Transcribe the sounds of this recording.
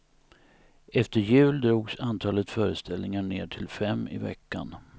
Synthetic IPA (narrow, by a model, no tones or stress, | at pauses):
ɛft̪əɾjʉ̟ːld̪ɾuːɡsant̪ʰɑːlət̪fœːɾəst̪ʰɛlnɪŋaɳeːʈʰɪlfɛmːɪ̰vɛ̰kːan